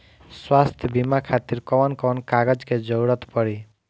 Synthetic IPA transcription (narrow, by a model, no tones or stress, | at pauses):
swast̪ʰjəbimakʰat̪iɾkɔʋɔnkɔʋɔnkaɡəd͡ʒked͡ʒɔwɽət̪pʌɽi